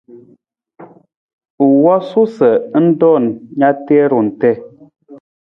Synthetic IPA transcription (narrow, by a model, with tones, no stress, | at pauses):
u˨wɔ˦su˦sə˨˦n̩˦dɔ˦˨nɲa˦tɛ˦ɾu˨n̩˨tɛ˦